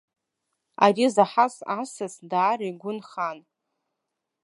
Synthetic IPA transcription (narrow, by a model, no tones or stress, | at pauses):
a̰rizaħasasasdaːɾjɡʷʊnχan